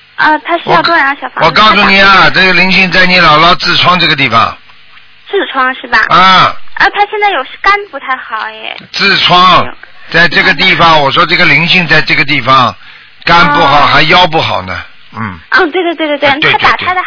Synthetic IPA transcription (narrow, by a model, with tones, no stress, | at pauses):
ə˥˧˩t̪ʰa˥ʂ̩˥wɔ˨˥˧t̪wɔ˥ə˧˥jɑ˥˧˩ɕjɑ˨˩ʊfa˧˩wɔ˨˩kɑ˥˩˧ʊsu˧˩ni˨˩ɐ˩ʈ͡ʂɤ˥˩ɡə˩li˧˥ŋɕi˥˧ŋt͡sa˥˩ɪni˧˥lɑ˨˩ʊlɑ˥˧ʊt͡sɹ̩˥˩t͡sʰwɑ˥ŋʈ͡ʂɤ˥˩ɡə˩t̪i˥˩fɑ̰˨˩ŋ | t͡sɹ̩˥˩ʈ͡ʂʰwɑ˥ŋʂɻ̩˥˩bɐ̰˩ə˥˧˩ə˥˩t̪ʰa˥ɕjɛ˥˧nt͡sa˥˩jo˨˩ʊʂ̩˥˩ka˥npu˧˥t̪ʰa˥˩ɪxɑ˨˩ʊjɛ̰˧˩t͡sɹ̩˥˩ʈ͡ʂʰwɑ˥ŋt͡sa˥˧ɪʈ͡ʂɤ˥˩ɡə˩t̪i˥˩fɑ˩ŋwɔ˨˩ʂwɔ˥ʈ͡ʂɤ˥˩ɡə˩li˧˥ŋɕi˥˧ŋt͡sa˥˧ɪʈ͡ʂɤ˥˩ɡə˩t̪i˥˩fɑ˩ŋ | ka˥npu˥˩xɑ˨˩˦ʊxa˧˥ɪjɑ˥ʊp̬u˥˩xɑ̰˨˩ʊnə˦ | n̩˥˩˧t̪we˥˩ɪe˥˧t̪wt̪t̪e˥˧tt̪a˨˩tʰa˥ə˨